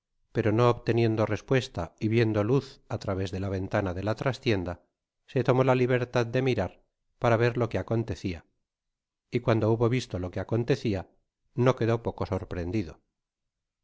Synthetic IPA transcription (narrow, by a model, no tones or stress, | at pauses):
pe̞ɾo̞no̞ːβt̪e̞nje̞nd̪o̞respwe̞st̪aiβje̞nd̪oluθat̪ɾaβe̞zðe̞laβ̞e̞nt̪anaðe̞lat̪ɾast̪je̞nd̪a | se̞t̪o̞mo̞laliβ̞e̞ɾt̪aðd̪e̞miɾaɾ | paɾaβe̞ɾlo̞keako̞nt̪e̞θia | ikwand̪ouβo̞βist̪o̞lo̞keako̞nt̪e̞θia | no̞ke̞ðo̞po̞ko̞so̞ɾpɾe̞nd̪iðo̞